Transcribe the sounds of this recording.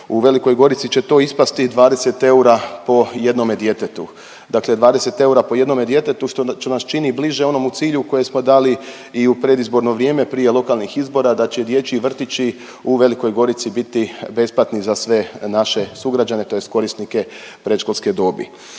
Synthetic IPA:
uʋe̞liko̞jɡo̞ɾit̪sit͡ɕe̞t̪o̞ispast̪id̪ʋaːd̪e̞se̞t̪e̞uɾapo̞je̞d̪no̞me̞d̪je̞t̪et̪u | d̪akle̞d̪ʋaːd̪e̞se̞t̪e̞uɾapo̞je̞d̪no̞med̪je̞t̪e̞t̪uʃt̪ot̪onast͡ʃinibliʒeo̞no̞mut̪siːʎuko̞je̞smo̞d̪aːli | iupɾe̞d̪izbo̞ɾno̞ʋɾje̞ːme̞pɾije̞lˠo̞kalˠnixizbo̞ɾad̪at͡ɕe̞d̪je̞t͡ɕiːʋr̩t̪it͡ɕi | uʋe̞liko̞jɡo̞ɾit̪sibit̪ibe̞splat̪nizasʋe̞naʃe̞suɡɾad͡ʒane̞t̪o̞jest̪ko̞ɾisnike̞ | pɾe̞t̪ʃkolˠsked̪o̞bḭ

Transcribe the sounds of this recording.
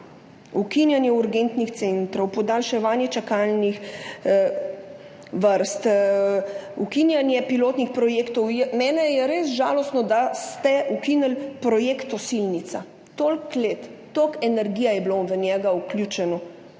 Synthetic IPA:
ukinjanjɛuɾɡent̪nixt̪sent̪ɾɔwpɔd̪alʃɛʋaːnjɛt͡ʃakaːlnix | ʋəɾst̪ | ukinjanjɛpiloːt̪nixpɾɔjeːkt̪ɔwjɛmɛːnɛjɛɾeːsʒaːlɔst̪nɔd̪ast̪ɛukinəlpɾɔjeːkt̪ɔsilnit̪sa | t̪olklet̪ːokɛnɛɾɡiːjajɛbloʋənʲjɛɡauklʲjut͡ʃɛnɔ

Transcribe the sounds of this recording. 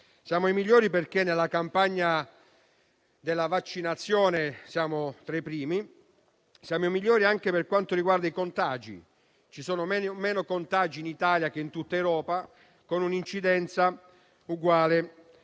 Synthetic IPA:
sjaːmoimiʎːɔːɾiperkenːelːakampaɲːa | d̪elːavat͡ʃːinat̪sːjɔːnesjaːmot̪ɾepːɾiːmi | sjaːmomiʎːɔːɾiaŋk̟eperkwant̪oɾiɡward̪aikont̪aːd͡ʒḭ | t͡ʃisoːnomɛmɛːnokont̪ad͡ʒiːnit̪aːljakeint̪ut̪ːaewɾɔːpa | konunint͡ʃid̪ɛnt̪sa | uɡwaːle

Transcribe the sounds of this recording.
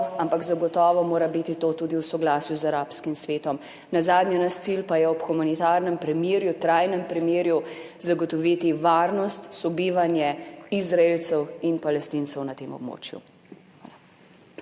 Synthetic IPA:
ampakzaɡɔt̪ɔːʋɔmoːɾabit̪it̪oːt̪uːd̪iwsɔɡlasjuzaɾapskimsʋeːt̪ɔm | nazaːd̪nʲjanast̪silpajɛɔpxumanit̪aɾnɛmpɾimjeːɾjut̪ɾajnɛmpɾimjeːɾju | zaɡɔt̪ɔʋiːt̪iʋaːɾnɔst̪sɔbiːʋanjɛizɾaelt̪sɛwinpalɛst̪int̪sɛwnat̪eːmɔ̰b̚mo̰ːt͡ʃjṵ | xʋaːla

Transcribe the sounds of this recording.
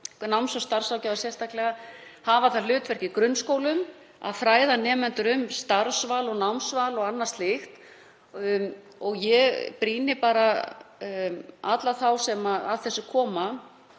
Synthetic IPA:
nawmsvast̪aɾ̥svawlcaːwðasjɛst̪ʰahklɛɣahaːvaθalʏːt̪vɛɾ̥cɪkɾʏnːskoːwlʏm | a̰ðfɾaːjðanɛːmɛnt̪ʏɾʏmst̪aɾsvalɔɣnawmsvalɔɣanːast̪lɪxt̪ | ɔɣjɛɣpɾiːnɪpaːɾa | at̪laθawsɛmaaðθɛsːʏkʰɔːma

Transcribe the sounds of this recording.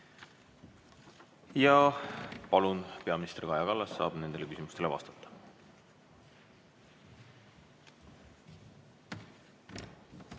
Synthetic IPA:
jɑ | pɑlunpe̞ɑminist̪ɾikɑjɑkɑlːɑsːɑ̰ːb̥ne̞nd̪e̞le̞kysimust̪e̞le̞vɑ̰st̪ɑ̥t̪ːɑ̥

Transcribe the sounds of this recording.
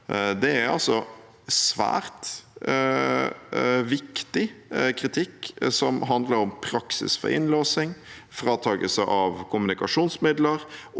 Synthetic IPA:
d̪ɛæɾɑ̰lsɔ | sʋæ̰ːɾt̪ | ʋɪkt̪ɪkʰɾɪt̪ʰɪkːsɔmɦɑnd̪ləɾɔmpʰɾɑksɪ̰sfɔ̰ɾɪ̰nløːsɪŋfɾɑːt̪ʰɑːɡəsəʔɑʋkʰʊmʉnɪkɑʂuːnsmɪd̪ləɾ

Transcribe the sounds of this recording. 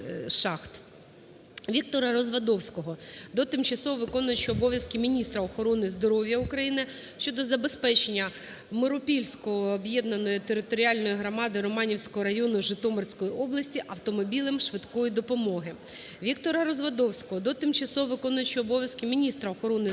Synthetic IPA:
ʃɑxt̪ | ʋʲikt̪ɔɾɐɾɔzʋɐd̪ɔwsʲkɔɦɔd̪ɔt̪ɪmt͡ʃɐsɔɦɔʋɪkɔnʊjɪt͡ʃɪɔbɔʋʲjɐskɪmʲinʲist̪ɾɐɔxɔɾɔnɪzd̪ɔɾɔʋʲjɐukɾɐjinɪ | ʃt͡ʃːɔd̪ɔzɐbespɛt͡ʃenʲːɐ | mɪɾʊpʲilʲsʲkɔːbjɛd̪nɐnɔjit̪eɾɪt̪ɔɾʲiɑlʲnɔjiɦɾɔmɑd̪ɪɾɔmɑnʲiwsʲkɔɦɔɾɐjɔnʊʒɪt̪ɔmɔrsʲkɔjiʔɔblˠɐsʲtʲiʔɐwt̪ɔmɔbʲilˠɪmʃʋɪt̪kɔjid̪ɔpɔmɔɦɪ | ʋʲikt̪ɔɾɐɾɔzʋɐd̪ɔwsʲkɔɦɔd̪ɔt̪ɪmt͡ʃɐsɔɦɔʋɪkɔnʊjʊt͡ʃɪɔbɔʋʲjɐskɪmʲinʲist̪ɾɐɔxɔɾɔnɪ

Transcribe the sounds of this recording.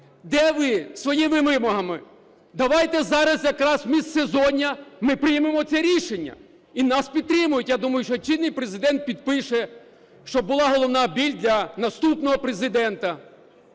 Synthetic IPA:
d̪ɛʋɪsʋɔjiʋɪmɪmɔɦɐmɪ | d̪ɐʋɑjt̪ɛzɑɾɐsjɐkɾɑsmʲist̪sezɔnʲːɐmɪpɾɪjmemɔsɛɾʲiʃenʲːɐ̰ | inɑspʲid̪̚t̪ɾɪmʊjʊtʲjad̪umɐjʊʃt͡ʃɔt͡ʃid̪nːɪjpɾezɪd̪ɛnt̪̚pʲid̪̚pɪʃɛ | ʃt͡ʃɔbʊlˠɑɦɔlˠɔwnɑbʲilʲd̪lʲɐnɐst̪upnɔɦɔpɾezɪd̪ɛnt̪ɐ

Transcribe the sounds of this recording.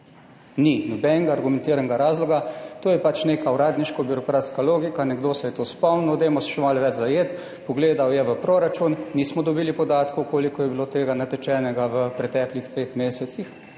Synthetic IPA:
ninɔbɛŋɡaːɾɡumɛnt̪iːɾanɡaɾaːzlɔɡat̪oːjɛpat͡ʃneːkauɾaːd̪niʃkɔbjuɾɔkɾaːt̪skaloːɡikanɛɡd̪oːsɛjɛt̪oːspɔwnnɔd̪emɔsʃɛmalʋɛd͡ʒzajeːt̪ | pɔɡleːd̪awjɛʋəpɾoɾat͡ʃunnismɔd̪ɔbiːlipɔd̪aːt̪kɔkoːlikɔjɛbiloːt̪eːɡanat̪ɛt͡ʃɛːnɛɡaʋəpɾɛt̪ɛːklixt̪ɾeːxmeːsɛt̪six

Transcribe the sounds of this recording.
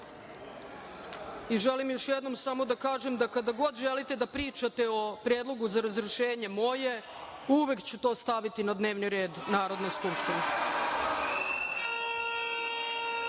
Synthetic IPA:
iʒelimjo̞ʃjed̪no̞msamo̞d̪akaːʒemd̪akad̪aɡo̞d̪ʒe̞lit̪e̞d̪apɾiːt͡ʃat̪eopɾjeːd̪lˠo̞ɡuzaɾazɾeʃeːɲe̞mo̞je̞ | uʋekt͡ɕut̪o̞ːst̪aʋit̪inad̪ne̞ːʋniɾe̞ːd̪naːɾo̞d̪ne̞skupʃt̪ine

